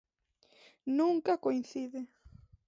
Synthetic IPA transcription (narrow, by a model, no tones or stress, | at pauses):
nuŋkakoinθiðe